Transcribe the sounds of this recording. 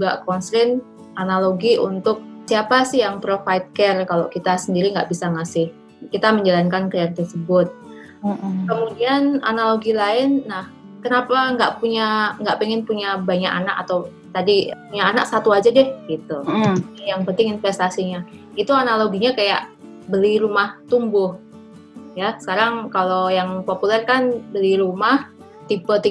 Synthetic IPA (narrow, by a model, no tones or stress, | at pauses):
uɡaʔkɔnsɾɪn | analoɡiʔṵnt̪ʊk̚siapasɪɦjaŋpɾofajt̪̚kɛrkalokit̪asəndiɾiŋɡa̰ʔbisaŋasɪh | kit̪aməɲd͡ʒalankankɾiart̪ərsəbʊt̪̩̚ | kəmudiana̰naloɡilaɪnːah | kənapaŋɡaʔpuɲaŋɡa̰ʔpɛŋɪnpuɲabaɲaʔanakat̪aw | t̪adipuɲaːnaksat̪uad͡ʒad͡ʒɛɡit̪ujaŋpənt̪ɪŋɪnfɛst̪asiɲa | it̪uanaloɡiɲakaja̰ʔ | bəliɾumaht̪umbʊh | jasə̥kaɾaŋkalojaŋpopulɛrkanbəliɾumah | t̪ipət̪i